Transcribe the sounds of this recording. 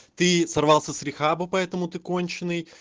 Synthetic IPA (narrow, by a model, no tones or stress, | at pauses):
t̪ɨsɐrvɑlˠsʲəsɾʲɪxabəpɐɛt̪əmʊt̪ɨko̞nʲt͡ɕɪnːɨj